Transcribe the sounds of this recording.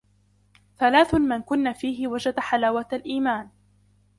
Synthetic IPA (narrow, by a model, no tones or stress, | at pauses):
θalaːθʊmɪnkʊnːafiːɦɪwad͡ʒad̪ħalaːwat̪alʔiːmaːn